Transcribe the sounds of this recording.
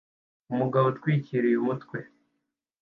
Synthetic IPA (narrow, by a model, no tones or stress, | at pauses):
umuɡaβotkwiːciɾijumutkwe̞